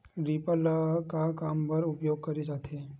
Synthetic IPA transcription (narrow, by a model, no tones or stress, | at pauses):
ɾipəlakakampəɾʊpjoɡ̚kəɾisat̪ʰe